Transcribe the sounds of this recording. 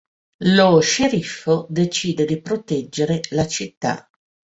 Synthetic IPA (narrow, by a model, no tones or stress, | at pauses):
loʃeɾifːod̪et͡ʃiːd̪ed̪ipɾot̪ɛd͡ʒːeɾelat͡ʃit̪ːa̰